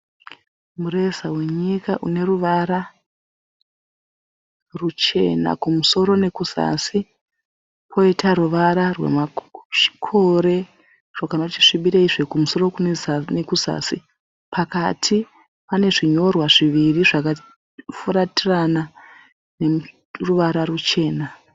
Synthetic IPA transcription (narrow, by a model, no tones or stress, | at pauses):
muresawe̞ɲikaʔune̞ruʋaɾa | rut͡ʃe̞̰na̰kumuso̞ɾo̞ne̞kusa̰si | pʰo̞itaɾuʋaɾarwe̞̰mai̥kʰo̞ɾe̞ | ʐ̥okanot͡ʃi̥ʂiɓiɾeiʐekumuso̞ɾo̞kunezane̞kuza̰ːsi | pʰakatʰi | pane̞ʐiɲo̞rwaʐiʋiriʐaka | fuɾatirana | ne̞ | ruʋaɾarut͡ʃe̞ːna